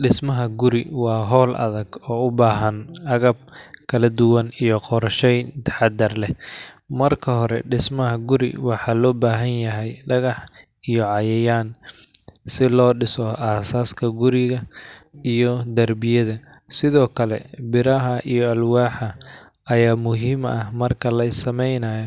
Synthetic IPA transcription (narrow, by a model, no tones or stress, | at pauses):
ɖɪsmɐɦɐɡʊɾɪwɑːɦɔːlʔɐ̰ðɐɡɔːʊbaːɦɐnʔɐɣɐb̚kʰɐlɐd̪ʊwɐnijɔqɔɾʃɛjt̪ʰħɑd̪ɐrlɛ | mɐrkʰɐɦɔɾɛ̰ɖɪsmɐɦɐɡʊɾɪ̰wɑħɑːlɔːbaːɦɐnjɐɦɛjɖɐɣɑħ | ijɔʕɑjɐjaːn | sɪlɔːɖɪsɔʔaːsaːskʰɐɡʊɾɪɣɐijɔd̪ɐrbɪjɐðɐ | sɪðɔːkʰɐlɛ̰bɪɾɐɦɐʔijɔɐlwaːħɐ | ɐjaːmʊɦiːmɐhmɐrkʰɐlɐɪsɐmɛjnaːjɔ